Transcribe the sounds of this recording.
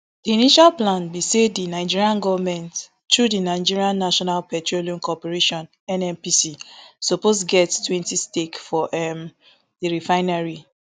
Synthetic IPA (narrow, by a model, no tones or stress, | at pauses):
d̥iiniʃalplãnbisedinaɪd͡ʒiɹiãnɡɔvmɛ̃nt | tːɹudinaɪd͡ʒiɹiãnːaʃɔnalpɛtɹoliɔ̃mkɔpɛɹeʃɔ̃n | ɛnɛ̃mpisisɔposɡɛttwɛ̃ntistekfɔʔɛm | diɹifaɪnaɹi